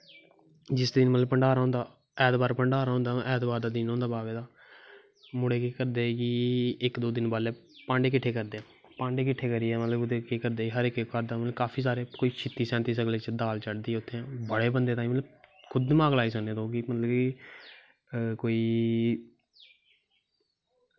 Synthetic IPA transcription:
d͡ʒɪsd̪ɪnmət̪ləbpəɳɖaːɾɦõːnd̪aː | ɛːt̪baːɾpəɳɖaːɾɦõːnd̪aːʔɛːt̪baːɾd̪aːd̪ɪnɦõːnd̪aːbaːʋeːd̪aː | mʊɽeːkeːkəɾd̪eːkɪɪkd̪oːd̪ɪnbaːleː | pãːɳɖeːkɪʈʰːeːkəɾd̪eːɛ̃ | pãːɳɖeːkɪʈʰːeːkəɾiɛːmət̪ləbt̪ːeːkiːkəɾd̪eːɦəɾɪkəɾd̪aːmət̪ləbkaːpʰiːs̬aːɾeːkoːiːt͡ʃʰɪt̪ːiːsɛ̃ːnt̪iːsəkleːt͡ʃd̪aːlt͡ʃəɽd̪iːɛʊt̪ʰːeːɛ̃ːbəɽeːbənd̪eːt̪aːĩːmət̪ləbkʰʊd̪mãːɡlaːiːsəkneːt̪õːkɪmət̪ləbki | koːiː

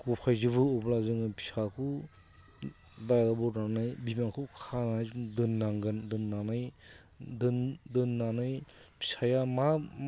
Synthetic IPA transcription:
ɡɔpʰajzɯbɯɔblazɯŋɯpʰi̥sakʰu | dajlabɔɾnanɯjbimakʰukʰananajzuŋdɯnːaŋɡɯndɯnːanaj | dɯndɯnːanɯjpʰi̥sajama

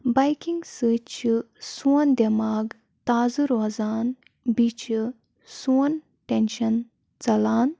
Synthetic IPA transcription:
bajkiŋɡsɨt͡ʃʰɨ | sund̪emaːɡ | t̪aːzɨɾoːzaːn | bit͡ʃɨ | sun | ʈenʃɐn | t͡sɐlaːn

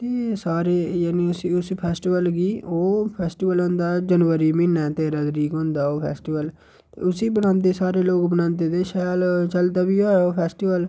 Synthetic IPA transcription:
t̪eːsaːɾeːjaːnĩːʊsiːʊspʰɛːsʈiʋəlɡiːoːpʰɛːsʈiːʋəlɦʊ̃ːnd̪aːd͡ʒənʋəɾiːmɪ̃ːnːɛːt̪eːɾaːd̪ɾiːkɦʊ̃ːnd̪aːoːpʰɛ̰ːsʈiːʋəl | t̪ḛːʊsiːbənãːnd̪̬eːsaːɾeːloːkbənãːnd̪eːt̪eːʃaːlt͡ʃəld̪aːbiːoːoːpʰɛːsʈiːʋəl

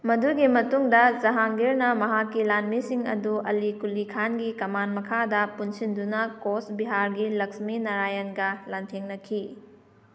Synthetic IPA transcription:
mɐduɡimɐtuŋdɐzɐɦaŋɡeɾnɐmɐɦakːilanmisiŋɐ̰duɐlikulikʰanɡikɐmanmɐkʰadɐpunsindunɐkosbiɦaɾɡilɐksminɐɾajɐnɡɐlantʰeŋnɐkʰi

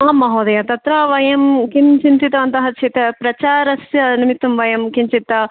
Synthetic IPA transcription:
aːmːɐɦoːd̪ɐjaːt̪ɐt̪ɾɐʋɐjɐmkint͡ʃint̪it̪ɐɐnt̪ɐɦɐt͡ʃʰit̪epɾɐt͡ʃaːɾɐsjɐnimit̪ːumʋɐjɐmkint͡ʃit̪ːɐ

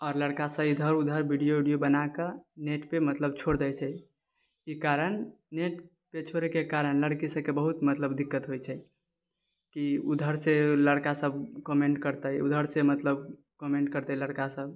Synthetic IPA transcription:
ɔːɾləɽkasə̃id̪ʱəɾud̪ʱəɾbʱiɖijoɖijobənakəneʈpemət̪ləb̚t͡ʃʰoɽd̪ɛjt͡ʃʰɛ | ikaɾən | neʈ | pet͡ʃʰoɾekekaɾənləɽkisəkebəɦut̪mət̪ləbd̪ikːət̪ɦojt͡ʃʰɛ | kiud̪ʱəɾseləɽkasəb̚ʱkɔmeɳʈkəɾt̪əjud̪ʱəɾsemət̪ləb | kɔmeɳʈ̚kəɾt̪ələɽkasəb̚ʱ

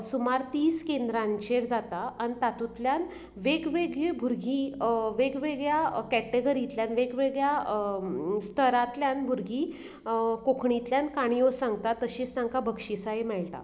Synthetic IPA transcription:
sumaɾt̪iːskend̪ɾãɲt͡ɕeɾd͡zat̪aaɽ̃nit̪at̪ut̪ljan | ʋeɡʋeɡɭebʱuɾɡʱiʋeɡʋeɡɭjakɛʈeɡəɾit̪ljanʋeɡʋeɡɭja | st̪ʰəɾat̪ljanbʱuɾɡʱi | kokʰɳit̪ljankaɽ̃ijosãŋɡt̪at̪ːəɕiːt͡snãŋkabʱəkʂisaɦemɛɭt̪a̰

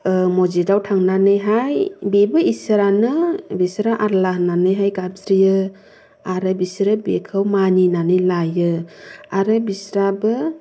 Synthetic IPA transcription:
mɔd͡ʒidawtʰaŋnanɯjɦajbebɯisɾanɯbisɾaʔaɾlaɦnanɯjɦajɡabsɾijɯ | aɾɯbisɾɯbekʰɯwmaninanɯjlajɯaɾɯbisɾabɯ

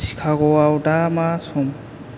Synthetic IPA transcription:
si̥kʰaɡɔwawdamasɔm

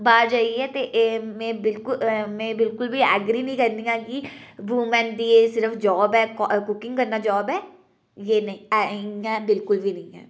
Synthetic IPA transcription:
baːɾd͡ʒaːiɛːt̪eʔmɛ̃ːbɪlkʊmɛ̃ːbɪlkʊlbiːɛːɡɾiːnəĩːkəɾnd̪iːãːkibuːmɛ̃ːnd̪iːeːsɪɾəfʰd͡ʒɔːbɛːkkʊkɪ̃ŋɡkəɾnaːd͡ʒɔːbɛː | jeːnəĩːɛ̃ɛ̃ːbɪlkʊlʋiːnəĩːɦɛ̰ː

